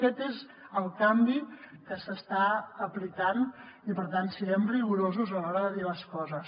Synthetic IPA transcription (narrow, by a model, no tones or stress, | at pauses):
kɛt̪ez | əlˠkambikəsəst̪aəplikan | ipəɾt̪ansəɾɛmriɣuɾozuzəlɔɾəðəðiləskɔzəs